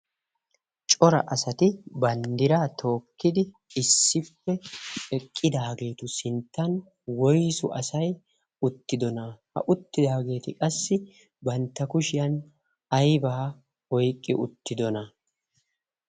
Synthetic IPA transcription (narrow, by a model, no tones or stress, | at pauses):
t͡ʃʼɔɾɐ̰ʔɐsɐt̪ɪbɐnd̪ɪɾaːt̪ʰo̞ːkːɪd̪ɪ | ɪsːɪpːɛɛkʼːɪd̪aːɡe̞ːt̪ʊsɪnt̪ːɐn | wɔjsʊʔɐsɐj | ʊt̪ːɪd̪ɔnɐhɐ̰ʔʊt̪ːɪd̪aːɡe̞ːt̪ɪkʼɐsːɪ | bɐnt̪ːɐkʊʃɪjɐn | ɐjbaː | ɔjkʼːɪʔʊ̰t̪ːɪd̪ɔnɐ